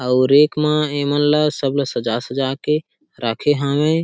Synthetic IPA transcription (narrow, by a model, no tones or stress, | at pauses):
əʊɾeːkmãemənlasəblsəd͡ʒaːsəd͡ʒaːke | ɾaːkʰeɦãʋẽ